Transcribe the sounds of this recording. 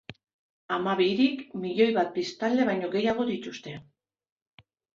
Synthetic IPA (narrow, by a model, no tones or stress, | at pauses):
amaβiɾikmiʎo̞jβat̪̚pist̪ald̪e̞βajɲo̞ɣe̞jaɣ̞o̞d̪it̪ust̪e̞